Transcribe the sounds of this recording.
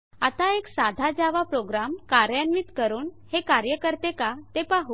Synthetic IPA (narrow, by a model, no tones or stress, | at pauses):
at̪aeksad̪ʱad͡ʑaʋapɾoɡɾamkaɾjanʋiːt̪kəɾuːnhekaɾjəkəɾt̪ekat̪epaɦu